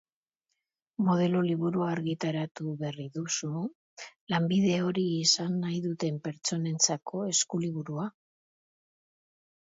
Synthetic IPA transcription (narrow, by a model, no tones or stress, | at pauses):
mo̞ð̞e̞loliβuɾuaːɾɣit̪aɾat̪uβeriðusu | lambiðe̞o̞ɾiːsanːajðut̪e̞mpe̞ɾt͡so̞ne̞nt͡sakʰo̞e̞skuliβ̞uɾua